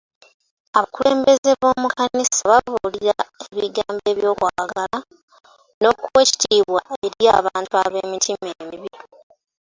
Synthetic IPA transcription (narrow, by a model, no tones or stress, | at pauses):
aβakuleːmbe̞ze̞βo̞ːmukanisaβavuliɾae̞βiɡaːmbe̞βjo̞ːkwaːɡala | no̞kuwe̞ci̥tʰiːβwae̞ɾja̰ːβaːntuaβeːmitʰimeːmiβi